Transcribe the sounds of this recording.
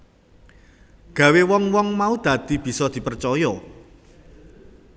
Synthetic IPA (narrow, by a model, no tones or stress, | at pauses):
ɡ̥ä̤wewɔŋwɔŋmaud̪̥ä̤d̪̥i̤b̥i̤sɔd̪̥i̤pərt͡ʃɔjɔ